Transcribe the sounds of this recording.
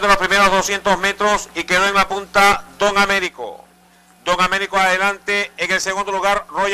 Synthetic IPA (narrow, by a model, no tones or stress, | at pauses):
d̪elospɾime̞ɾozðosje̞nt̪o̞sme̞t̪ɾosike̞ðo̞eŋlapunt̪ad̪o̞ŋame̞ɾiko̰ | d̪oŋame̞ɾikoaðe̞lant̪e̞ːŋe̞lseɣũnd̪o̞luɣaɾroʝ